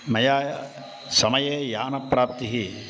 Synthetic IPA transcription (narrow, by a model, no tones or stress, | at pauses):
mɐjaː | sɐmɐjeːjaːnɐpːɾaːp̚t̪iɦi